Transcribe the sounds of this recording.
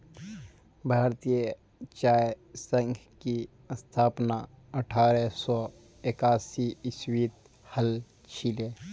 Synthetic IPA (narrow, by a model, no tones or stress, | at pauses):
bʱaːɾt̪ije | t͡ʃaːe | sə̃ŋɡ | ki | əst̪ʰaːpna | əʈʰaːɾɛsɔː | ekaːsiɪswiːt̪̚ | həl | t͡ʃʰile